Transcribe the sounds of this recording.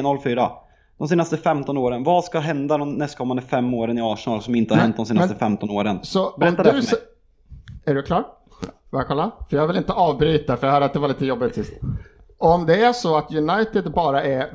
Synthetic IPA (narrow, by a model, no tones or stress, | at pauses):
nɔlːfyːɾa̰ | d̪̥ɔmseːnast̪əfɛmt̪ɔnoːɾənvaskaɦɛnd̪ad̪ɔmnɛst̪̚kʰɔmːand̪əfɛmːoːɾənɪɑːʂnɑlsɔmɪnt̪əhaɾhɛn̚d̪ɔmseːnɛst̪əfɛmt̪ɔnoːɾənsɔɔɛmtd̪ad̪ɵɛ | æɖɵklɑːʈ | vakʰɔlːafœjɑːaɾvɪlɪnt̪əʔɑːvbɾyːt̪afœɾjaɡhœːɖat̪̚d̪ɛvaɭiːt̪əjɔbːɪt̪sɪst̪ɔɔmd̪ɛæʂɔat̪jɵnajt̪ɪd̪bɑːɾaʔæ